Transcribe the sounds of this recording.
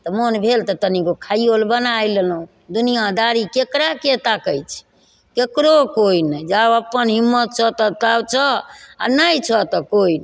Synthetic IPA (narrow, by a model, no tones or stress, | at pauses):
t̪ɔmonbʱelt̪ɔt̪ənikokʰajjolbənajlelũ | d̪unijad̪aɾikekɾaket̪akəjt͡ʃʰɛ̥ | kekɾokoinəjd͡ʒabəpənɦimːət̪̚t͡ʃʰət̪ət̪abt͡ʃʰəa̰najt͡ʃʰət̪ɔkoin